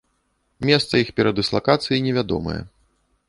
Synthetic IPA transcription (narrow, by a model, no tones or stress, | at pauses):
mʲɛst̪sɐixpʲɛɾɐd̪ɨslˠakat̪sɨjinʲɛvʲad̪ɔ̰mɐ̰jɛ̰